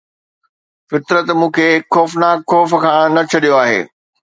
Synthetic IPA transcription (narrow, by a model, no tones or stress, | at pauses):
fɪt̪ɾət̪mũːkʰeːxɔːfnaːkxɔːfkʰãːnɐt͡ɕʰɐɗijoaːɦḛː